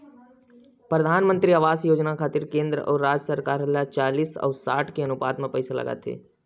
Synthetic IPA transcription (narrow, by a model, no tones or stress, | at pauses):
pɾɐd̪ʱaːnmə̃nt̪ɾiaʋaːsjoːd͡ʒnakʰaːt̪ɪɾkẽːnd̪ɾəʔɔːɾːaːd͡ʒəsəɾkaːɾɦɐlːat͡ʃaːliːsɔ̰ːɾsaːʈʰkeɐnʊpaːd̪mẽpɛɪsalɐ̰ɡa̰t̪ɦḛː